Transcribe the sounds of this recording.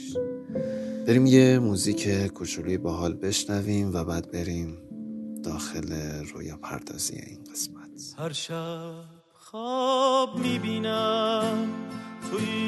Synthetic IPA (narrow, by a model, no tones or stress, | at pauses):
b̥eɾiːmje̞muːziːcʰekʰot͡ʃʰoluːjebɒːɦɒːlbe̞ʃnæviːmvæbæːd̪̚be̞ɾiːmd̪̥ɒːxe̞lero̰ːjɒːpʰæ̰ɾd̪̥ɒ̰ːz̥ḭjḛʔḭːnɢ̥e̞smæt̪ʰhæɾʃæ | xɔbmiːbiːnæmt̪ʰu